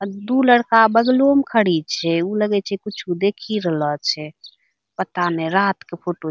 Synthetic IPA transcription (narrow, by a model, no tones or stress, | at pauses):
d̪uləɽkabəɡlomkʰəɽit͡ʃʰɛuləɡɛt͡ʃʰɛkut͡ʃʰud̪ekʰiɾələt͡ʃʰɛ | pət̪aneɾat̪kepʰoʈo